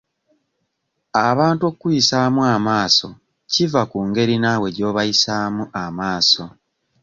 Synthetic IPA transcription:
aβaːntuo̞kkujisaːmuamaːso̞ | civakuːŋɡe̞ɾinawe̞ɟo̞ːβajisaːmuʔamaːso̞

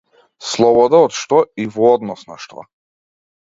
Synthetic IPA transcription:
slˠɔbɔd̪aɔt̪ʃt̪ɔivɔɔd̪nɔsnaʃt̪ɔa̰

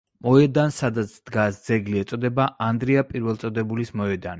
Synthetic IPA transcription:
mɔɛd̪ansad̪at̪sʰd̪̥ɡasd̪zɛɡliɛt̪sʼɔd̪ɛbaʔand̪ɾiapʼiɾvɛlˠt̪sʼɔd̪ɛbulismɔɛd̪ani

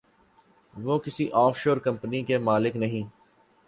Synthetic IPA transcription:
ʋoːkɪsiʔɔːfʰʃoːɾkɐ̃mpnikemaːlɪknɐɦĩː

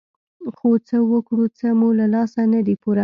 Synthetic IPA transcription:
xot͡səwəkɽut͡səmulalɑsanad̪ipuɾa

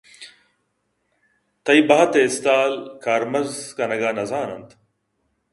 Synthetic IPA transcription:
t̪ɐjbɐɦɐt̪eːst̪aːlkʰaːɾmɐzkɐnɐɡaːnɐzaːnɐ̰nt̪

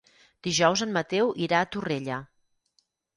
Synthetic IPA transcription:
d̪̥iʒɔwzənmət̪ɛwʔiɾaːt̪ureʎə

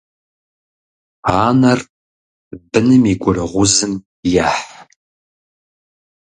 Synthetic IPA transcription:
aːnɐr | bɨnɨmiɡʷʼʊrɐʁʷʊzɨm | jaːħ

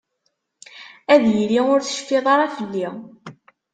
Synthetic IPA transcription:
æðjliʊɾθə̥ʃə̥feðˤɑɾafəlːi

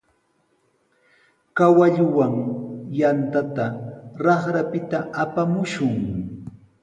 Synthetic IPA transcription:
kawaʎʊwaŋjant̪at̪aɾɑχɾapɪt̪aapamʊʃʊŋ

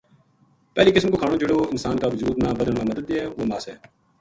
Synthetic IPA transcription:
pɛːliːkɪsmkoːkʰaːɳõːd͡ʒʊɽoːɪnsaːnkaːʋəzuːd̪nãːbəd̪əɳmãːməd̪əd̪eɛːʋoːmaːsɛː

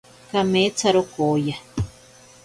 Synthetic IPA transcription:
kamet͡saɾokoja

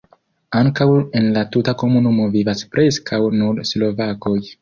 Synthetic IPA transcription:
aŋkawe̞nlatutako̞munumo̞vivaspɾʔe̞skʰawnudslo̞vako̞j

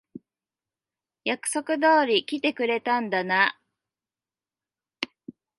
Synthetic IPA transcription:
jakɯ̟̥so̞kɯ̟d̪oːɾʲikʲit̪e̞kɯ̟ɾe̞t̪ãnd̪ana

